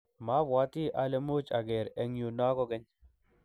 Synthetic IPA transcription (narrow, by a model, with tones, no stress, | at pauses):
maː˦bwa˨˦t̪i˦ʔa˦lɛ˨mu˦t͡ʃa˨ɡe˨ɾɛ˨ŋju˨na˦kɔ˦ɡe˦ɲ